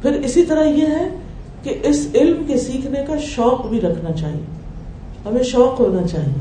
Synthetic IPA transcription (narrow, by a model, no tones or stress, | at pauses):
pʰɪɾɪsit̪ɐɾəɦjeɦɛ | keʔɪsɪlmkesiːkʰnekaʃɔːqbʱiɾɐkʰnat͡ʃaːɦie | ɦɐmẽʃɔːkɦoːnat͡ʃaːɦie